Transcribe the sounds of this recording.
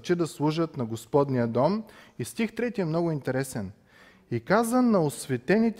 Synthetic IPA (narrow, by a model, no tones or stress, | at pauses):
t͡ʃid̪ɐslˠuʒət̪nɐɡospɔd̪nijəd̪ɔmist̪ixt̪ɾɛt̪iɛmnɔɡʊint̪ɛɾɛsɛn | ikazənːɐosvɛt̪ɛnit̪